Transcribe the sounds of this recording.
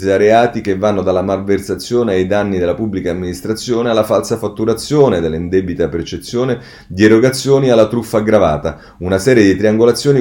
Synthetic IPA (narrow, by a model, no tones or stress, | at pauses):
aɾeaːt̪ikevːanːod̪alːamalversat̪sːjoːneajd̪anːid̪elːapubːlikaːmːinist̪ɾat̪sːjoːnealːafalsafat̪ːuɾat̪sːjoːned̪elːaind̪ɛbit̪apert͡ʃet̪sːjoːne | d̪ieɾoɡat̪sːjoːnialːat̪ɾufːaɡɾavaːt̪a | unasɛːɾjed̪it̪ɾiaŋɡolat̪sːjoːni